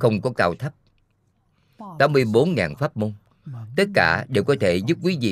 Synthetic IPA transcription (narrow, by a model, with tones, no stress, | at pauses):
xə˧wŋ͡mkɔ˨˦kaː˧wt̪ʰə˦˥p̚ | t̪aː˨˦mːɨ˧əjɓo˨˦nŋa̰ː˨˩nfaː˦˥p̚mo˧n | t̪ə˦˥t̚kaː˧˩ɗe˨˩wkɔ˨˦t̪ʰe˧˩zu˦˥p̚k̬wi˨˦zḭ˧˨